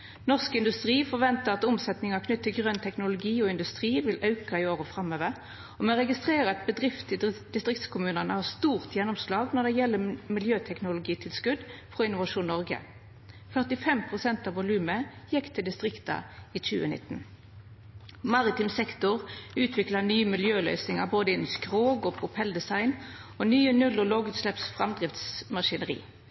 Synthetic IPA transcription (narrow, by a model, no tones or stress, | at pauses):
nɔʁskɪnd̪ʉst̪ʁiːfɔʁʋɛnt̪əʁɑt̪ʊmsɛt̪nɪŋɑkʰnʏt̪ːɪlɡʁœnt̪ʰɛknʊlʊɡiːɔɪnd̪ʉst̪ʁiːʋɪlʔɑʉkɑɪoːʁəfʁɑmøːʋəʁ | ɔmɛʁɛɡɪst̪ʁeːʁəɛt̪̚bəd̪ʁɪft̪ɪd̪ɪst̪ʁɪkt̪skʰʊmʉːnɑnəhɑst̪uːʁt̪jɛnːɔmslɑːɡnɔʁd̪ɛjɛlːəmɪljøːt̪ʰɛknʊlʊɡiːt̪ʰɪlskʉd̪fʁɔɪnʊʋɑʂuːnːɔʁɡə̰ | fœʁt̪ɪfɛmpʰʁʊsɛnt̪ɑːʋʊlʉːməjɛkːt̪ʰɪld̪ɪst̪ʁɪkt̪ɑ̰iːt͡ʃʉ̰ːə̰nɪ̰t̪ːn̩ | mɑʁɪt̪ɪmsɛkt̪ʊʁʉːt̪ʰʋɪklɑnyːəmɪljøːlœ̰ʏsɪŋɑboːd̪əɪnːmskʁoːɡɔpʰʊpʰɛld̪ɛsɑɪn | ɔnyːənʉlɔloːɡʉːt̪slɛpsfʁɑmd̪ʁɪft̪smɑʂɪnəʁḭː